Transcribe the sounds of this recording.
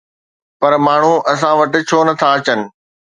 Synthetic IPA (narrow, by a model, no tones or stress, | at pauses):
pɐɾmaːɳ̤uʔɐs̬ãʋɐʈɪ̆t͡ɕʰoːnɐt̪ʰaɐt͡ɕənɪ̆